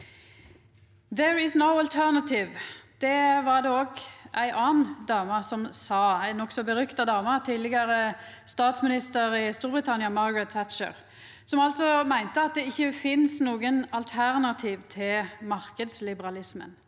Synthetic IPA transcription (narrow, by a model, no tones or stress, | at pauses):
ðɛɹɪsnoʊɑlt̪ʰænɑt̪ɪʋd̪̥ɛʋɑʁd̪ɛoːɡʔæɪʔɑːnnd̪ɑːmɑsɔmsɑːæɪnɔksɔbəʁʏkt̪ɑd̪ɑːmɑt̪ʰiːlːɛɡɑɾə | st̪ɑːt̪smɪnɪst̪əɾɪst̪uːɾbʁɪt̪ʰɑnjɑmɑɾɡɹɛt̪ʰːæt̪t͡ʃə̰ʁ | sɔmɑlsɔmæɪnt̪əɑt̪̚d̪ɛɪçːəfɪnsnuːɡənɑlt̪ʰæʁnɑt̪ʰiːʋt̪ʰɪlmɑʁkəd̪slɪbəʁɑlɪsmə̰n